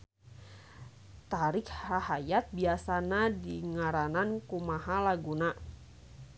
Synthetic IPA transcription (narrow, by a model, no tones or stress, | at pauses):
t̪aɾɪkhahajat̪̚biasanadiŋaɾanankumaɦalaɡuna